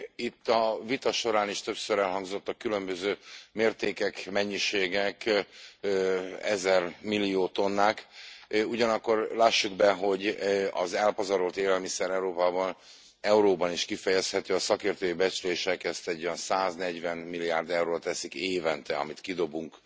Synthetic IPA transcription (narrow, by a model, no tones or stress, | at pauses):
it̪ːɒvit̪ɒʃo̞ɾaːniʃt̪øpsøɾɛlɦɒŋɡzo̞t̪ːɒkːylø̞mbøzøːmeːrt̪eːkɛkmɛɲːiʃeːɡɛk | ɛ̰zɛrmilːijoːt̪o̞nːaːk | uɟɒnɒkːo̞rlaːʃːuɡbɛɦo̞ɟɒzɛlpɒzɒɾolt̪eːlɛlmisɛɾɛuɾoːpaːbɒn | ɛuɾoːbɒniʃkifɛjɛshɛt̪øːɒsɒkeːrt̪øːjibɛt͡ʃleːʃɛkɛst̪ɛɟːojɒnsaːznɛɟvɛnmilːijaːrd̪ɛwɾoːt̪ɛsikeːvɛnt̪ɛɒ̰mit̪kid̪o̞buŋk